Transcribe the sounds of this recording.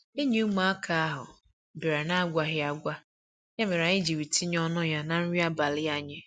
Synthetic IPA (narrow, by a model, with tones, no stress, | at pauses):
e˦ɲi˦u˦ma˨˦a˦kʰa˦a˦ɦʊ̰˨ | bɪ˨ɾa˨na˦ɡʷa˨ɦɪ˦a˨ɡʷa˦ | ja˦me˨ɾa˨ɲɪ˦d͡ʒi˨wi˨ti˦ɲɔ˦nʊ˦ja˦na˨n̩˦ɾi˦a˦ba˨lɪ˦a˦ɲɪ˦